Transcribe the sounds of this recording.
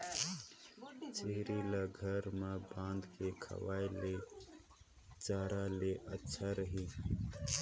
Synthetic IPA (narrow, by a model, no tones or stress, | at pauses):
t͡ʃeɦɾilaɡʱəɾmebãːnd̪kʰekʰə̰ʋaːjle | d͡ʒaːɾaleʔətːʃʰaɾəɦi